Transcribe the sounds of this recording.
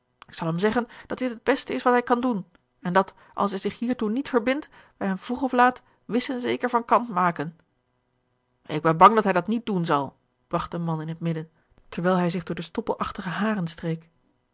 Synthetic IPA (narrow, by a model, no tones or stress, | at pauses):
ɪksɑlˠɦɛmzɛχənd̥ɑt̚dɪtɦəd̚bɛstəɪsʋɑtɦɛjkɑndun | ɛndɑt | ʔɑ̰lˠsɦɛjzɪχɦiːɹtunitfəɹbɪnt | ʋɛjɦɛmvuχɔflaːt | ʋɪsənzejkəɹvɑnkɑntmaːkən | ɪɡ̚bɛnbɑŋdɑtɦɛjdɑtnit̚dunzɑlˠ | b̥rɑχt̚dəmɑnɪnɦətmɪdən | tɛɹʋɛjlˠɦɛjzɪχdʊːɹdəstɔpəlˠʔɑχtəχəɦaːrənstrejk